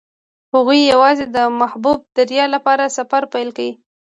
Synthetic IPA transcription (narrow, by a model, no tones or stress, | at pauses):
haɣujːawɑzed̪əmahbub̚d̪aɾjɑlapɑɾasafaɾpajlkawi